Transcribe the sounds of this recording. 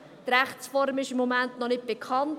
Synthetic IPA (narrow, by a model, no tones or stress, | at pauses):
t̪ɾæχt͡sfɔɾmɪʃɪmːomæntnɔnɪt̚b̥ekʰχɑnt